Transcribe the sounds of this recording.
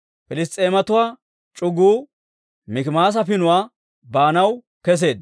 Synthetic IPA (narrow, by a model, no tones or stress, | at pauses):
pɪlɪs̬t̪ʼe̞ːmɐt̪ʊwaː | t͡ʃʼʊɡuː | mɪkɪmaːs̬ɐfɪnʊwaː | baːnɐw | kɛs̬e̞ːd̪